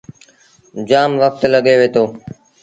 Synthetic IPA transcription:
d͡ʒaːmʋək̚t̪ləɠeːʋeːt̪oː

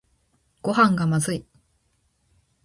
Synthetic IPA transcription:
ɡ̥o̞hãŋɡamazɨi

